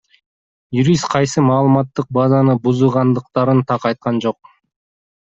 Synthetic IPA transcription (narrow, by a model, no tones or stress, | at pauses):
juɾʲist̪qʰɑjsɯmɑːlˠɯmɑt̪ːɯq̚bazɑnɯbuzuʁɑnd̪ɯq̚t̪ɑɾɯnt̪ʰɑqɑjt̪̚qɑnd͡ʒo̞q